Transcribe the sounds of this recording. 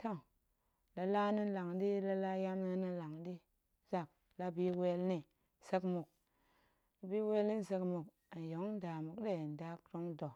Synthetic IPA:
ta˦˨ŋ | la˨la˦ni˦n˦la˨ŋdi˦la˦la˦ja˦mni˦ni˦la˨ŋdi˦ | za˨k̚ | la˦bi˦we˦lni˨ | se˦kmu˨k̚ | la˨bi˦we˦lni˦n˦se˧kmu˨k | a˨n˨jo˨˦ŋ˦n˦da˨mu˨kde˦˨n˨da˦kɾo˦ŋdo˨

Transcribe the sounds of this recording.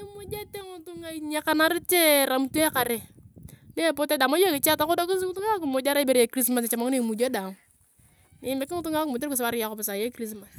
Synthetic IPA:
i˦mu˦d͡ʒe˦te˦ŋʊ˦tʊ˦ŋa˨i˨ɲe˦ka˦na˦ɾɪ˦t͡ʃe˦ɾa˨m˦tu˦e˦ka˨ɾe˨de˦˨po˦te˦da˨ma˦jo˦kɪ˨t͡ʃa˦ta˨kʊ˦do˦kʊ˦s̬ʊ˦tʊ˦ŋa˦ku˨mo˨d͡ʒa˦ɾa˦i˦be˦ɾje˨˦kɾi˦s̬ma˨sa˨t͡ʃa˨ma˦ŋ˦ne˦mu˨d͡ʒe˦da˨ŋ | nɪ˨˦mɪ˨kɪ˦ŋʊ˦tʊ˦ŋa˦ku˨mo˨tks̬wa˦ɾja˨kʊ˨pɪ˨sa˨je˦kɾi˦sma˨s

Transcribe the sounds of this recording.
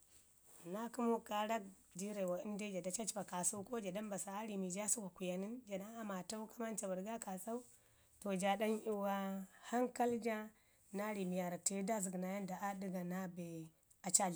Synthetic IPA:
na˦ku˦mu˦ka˨ɾa˦k̚ | di˦ɾa˨wa˨i˦n˦de˦d͡ʒa˨da˨t͡ʃa˦t͡ʃi˦ba˨ka˨su˦ko˦d͡ʒa˨da˦mba˨sa˨a˦ɾi˨mi˨d͡ʒa˦su˦wa˨ku˨ja˨ni˦nd͡ʒa˨na˦a˦ma˨ta˦u˦ka˦ma˦nt͡ʃa˨ba˨ɾɡa˦ka˨sa˦u˦ | to˨d͡ʒa˨da˦ni˦wa˦ha˦ŋka˦ld͡ʒa˦ | na˦ɾi˨mi˨ja˨ɾa˨te˨˦da˦zi˨ɡna˨ja˦n˦da˨ʔa˦di˦ɡa˨na˦be˨ | a˨t͡ʃa˦ɮ

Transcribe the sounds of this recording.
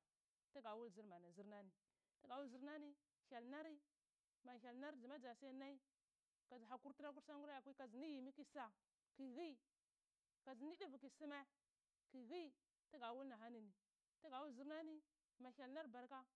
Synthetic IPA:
ta˦ɡa˨wu˦lzi˦ɾma˨na˨zi˦ɾna˦ni˨ | ta˦ɡa˨wu˦lzi˦ɾna˦ni˦ | ça˨lna˦ɾi˦ | ma˨çʲa˨lna˦ɾd͡zi˨ma˦d͡za˨sja˦na˦i˦ | ka˨zɦa˨ku˦ɾti˦ɾa˦k̬u˦ɾsa˦ŋ˦ɡu˦ɾa˦ja˨kʷi˦ka˨zni˦ji˨mi˦ki˦sa˨ | ki˨ɣi˦ | ka˨zni˦di˦vki˨si˦me˦ | ki˨ɣi˦ | ta˦ɡa˨wu˦lna˨ɦa˦ni˨ni˨ | ta˦ɡa˨wu˦zi˦ɾna˦ni˦ | ma˨a˨lna˦ɾba˨ɾka˦

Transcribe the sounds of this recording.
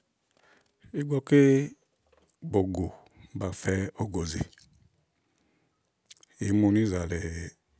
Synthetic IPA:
i˦ɡɔ˧ke˦ | bo˨ɡo˨ | ba˨fɛ˧o˧ɡo˨ze˨ | e˨˦mu˧ni˦za˨lɛ˨

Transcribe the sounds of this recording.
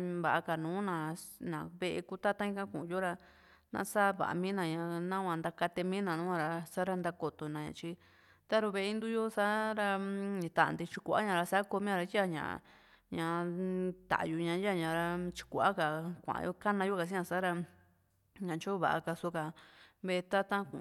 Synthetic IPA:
βa˨ʔa˧ka˨nũː˨˦nã˨nã˨βe˧ʔḛ˧ku˦t̪a˦t̪ã˦ĩ˧kã˦kṵ̃˨jo˦ɾa˧ | nã̰˧˦saː˦βa̰˨ʔa̰˧mĩː˦nã˧˨ɲã˧˨nã˦kʷã˧nd̪a˧ka˧t̪e˧mĩ˦nã˨nũ˦ã˧ɾa˧sa˦ɾa˧nd̪a˧ko˨t̪o˨nã˨ɲã̰˧˨t͡ʃi˧ | t̪a˦ɾu˧βe˧e˧i˦nd̪u˦jo˦sa˦ɾa˧ĩ˧˨t̪a̰˨nd̪i˧t͡ʃi˧kʷʔa̰˦ɲã˨˧ɾa˧sa˦ko˧mĩ˦ã˧ɾa˧ji˦a˧˨ɲã̰˨ | ɲã˧t̪a̰˨ʔju˧ɲã˧˦ja˦˨ɲã˨ɾa˧t͡ʃi̥˧kʷa˦ka˨kʷã̰˨˧jo˦ka˦nã˧jo˦ka˨s̬ĩ˦ɲã˧sa˦ɾa˧ | ɲã˨t͡ʃo˦βa̰˨ʔa̰˧ka˧so˧˦ka˧βe˧t̪a˦t̪ã˦kṵ̃˨

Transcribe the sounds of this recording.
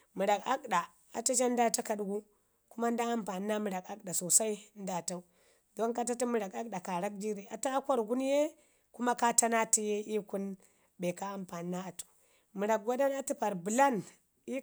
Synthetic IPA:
mi˨ɾa˨ka˦kɗa˨ | a˨ta˦d͡ʒa˦n˦da˦ta˦ka˨ɗɡu˦ | ku˦ma˦n˦da˦a˦mpa˨n˦na˦mi˨ɾa˨ka˦k̚ɗa˨so˨sa˦i˦n˦da˦ta˦u˦ | do˦nka˦ta˦ti˦mi˨ɾa˨ka˦k̚ɗa˨ka˨ɾa˦k̚d͡ʒi˦ɾe˨a˨ta˦ko˦ɾɡu˦nje˦ | ku˦ma˦ka˦ta˦na˦ti˦je˦i˦ku˦n | be˨ka˦a˦mpa˨n˦nːa˦a˨tu̥˨ | mi˨ɾa˨k̚ɡʷa˦da˦na˦ti˦pa˨ɾbu˨la˦n | i˦

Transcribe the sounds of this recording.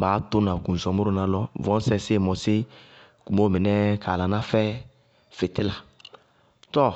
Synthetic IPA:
baː˨˦tʊ˦nã˨ɡũ˨n˨zɔ˨mʊ˦ɾʊ˦nã˨lɔ˦vɔ̃˦n˦sɛ˦sɪ˦˨mɔ˨sɪ˦ | ku˨mo˦mɪ˨nɛ˦kʰa˨la˨nã˦fɛ˦ | fɪ˨tɪ˦la˨ | tɔ˦˨

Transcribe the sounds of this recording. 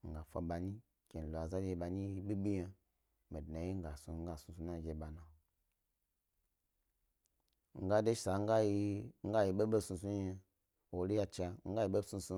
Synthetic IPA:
ŋ̩˨ɡa˨fʷa̰˨ɓa˨ni˦ | kʲe˨n˨lo˨a˨za˦di˧ɓa˨ni˦ɓi˦ɓi˦je˨ | me˨dna˨ji˦ŋ̩˦ɡa˨su˨ŋ̩˦ɡa˨su˨˧su˨˦na˦˨ɡe˨ɓa˨na˨ | ŋ̩˦ɡa˦de˦sa˨˦ŋ˦ɡa˦ji˧ŋ̩˦ɡa˦ji˨ɓe˦ɓe˦su˧su˦e˧ | wo˨li˦ja˧t͡ʃa˧ŋ̩˦ɡa˦ji˨ɓe˦su˧su˦

